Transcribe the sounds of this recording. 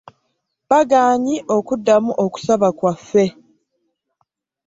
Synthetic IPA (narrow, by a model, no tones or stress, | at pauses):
baɡaːɲiʔo̞kudːamuʔoku̥saβakwafːe̞